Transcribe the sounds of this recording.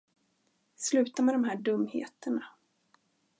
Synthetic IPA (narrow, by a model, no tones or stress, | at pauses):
slʉ̟ːt̪amɛd̪ɔmɦæːɖɵmːhḛːt̪əɳa